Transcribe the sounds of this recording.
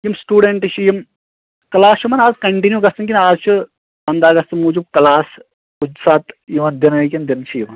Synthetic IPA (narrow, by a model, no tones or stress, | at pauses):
jimsʈuːɖeɳʈt͡ʃʰijim | kɐlaːst͡ʃʰumɐnaːzkɐɳʈinjuːɡɐsɨŋk̬ʲinaːzt͡ʃʰu | pɐnd̪aːɡɐst̪ɨmuːd͡ʒub̚kɐlaːs | kud͡ʒsaːt̪jiʋɐnd̪inɐkʲɐnd̪int͡ʃʰijimɐn